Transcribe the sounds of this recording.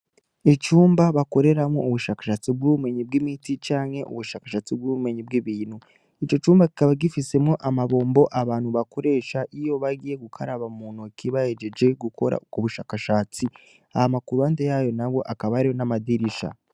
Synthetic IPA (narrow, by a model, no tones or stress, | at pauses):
et͡ʃuːmbaβako̞ɾe̞ɾamŋouβuʃaːkḁʃaːt͡sib̚ɡuume̞ɲib̚ɡimitit͡ʃaːŋhe̞ʔṵβuʃaːkḁʃaːt͡sib̚ɡume̞ɲibɡiβiːn̥hu | it͡ʃo̞t͡ʃuːmbaki̥kaβaɡifise̞mŋo̞ʔamaβo̞ːmbo̞ʔaβaːnhuβakʰo̞ɾe̞ːʃaʔijo̞βaɡiːje̞ɡukʰaɾaβamuːnokiβajeɟe̞d͡ʒe̞ɡukʰo̞ɾa̰uβuʃaːkaʃaːt͡si | a̰hamakuɾuaːndejaːjo̞naβo̞ʔakaβaɾijonamadiɾiʃa̰